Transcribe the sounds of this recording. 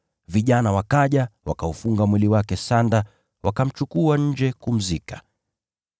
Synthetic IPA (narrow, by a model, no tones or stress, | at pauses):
viʄanawakaʄawakaufuŋɡamwiliwakɛsanda | wʔakam̩t͡ʃukuaɲ̩d͡ʒɛkum̩zikḁ